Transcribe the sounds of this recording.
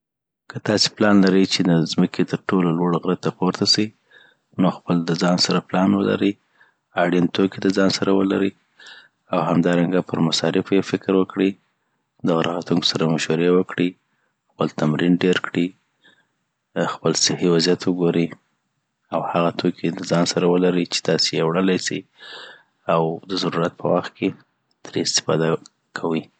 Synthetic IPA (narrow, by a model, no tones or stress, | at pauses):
kət̪ɑsi̥plɑnlaɾəjt͡ʃed̪əzməkʰet̪əɾʈololwoɽɣɾat̪ːapoɾt̪asi | noxpəld̪əzɑnsaɾaplɑnwə̰la̰ɾəj | aɽint̪ʰokid̪əzɑnsaɾawə̰la̰ɾəj | awɦamd̪ɑɾaŋɡapəɾmasɑɾɪfjefɪkɾwəkɽi | d̪aɣaɾaɣat̪unko̥saɾamaʃwaɾewəkɽi | xpəlt̪amɾinɖeɾkɽi | xpəlsɪhiwazjat̪wəɡoɾi | awhaɣat̪ʰokʰid̪əzɑnsaɾawəlaɾit͡ʃe̥t̪ɑsejewɽəlajsḭ | awd̪əzaɾuɾat̪̚pʰə̰waxt̪̚kʰe | t̪ʰəɾɪst̪ɪ̥fɑ̰d̪a | kʰawi